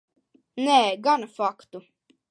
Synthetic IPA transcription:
nɛːɡanfakt̪u

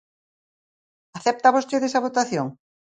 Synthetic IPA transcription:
aθɛp̚t̪aβost̪eðesɐβot̪aθjoŋ

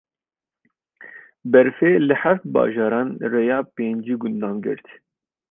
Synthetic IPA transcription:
bɛɾfeːlɨħæft̪̚bɑ̰ːʒɑːɾɑːnrejɑːpeːnd͡ʒiːɡʊnd̪ɑːnɡɨ̰ɾt̪

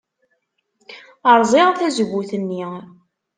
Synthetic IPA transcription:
əɾˤzˤɪʁθæzəɡʷːuθənːi

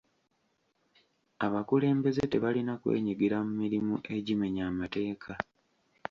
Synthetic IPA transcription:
aβakule̞ːmbe̞zete̞βalinakwe̞̰ːɲiɡiɾamumiɾimuʔe̞ɟime̞ɲaːmate̞ːkʰa

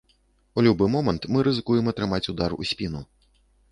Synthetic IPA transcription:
ulʲubɨmɔmɐnt̪mɨɾɨzɨkujɛmɐt̪ɾɨmat͡sʲud̪arṵsʲpʲinu

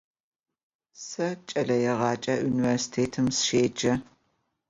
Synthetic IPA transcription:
sɐt͡ʃʼɐɮɐjɛʁɑːt͡ʃʼɐʔuniversi̥tʰeːtʰɨmsʃeːd͡ʒɐ

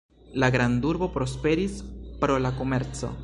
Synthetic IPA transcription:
laɡɾanduɾbo̞pɾo̞spe̞ɾispɾo̞lako̞meɾt͡so̞̰

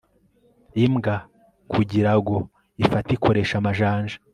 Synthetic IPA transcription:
imɡa | kʰuɟiɾaɡo̞ | ifatikʰo̞ɾe̞ʃamaʒaːnʒḁ

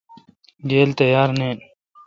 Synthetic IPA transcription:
ɡeːlt̪ɐjaːɾneːn

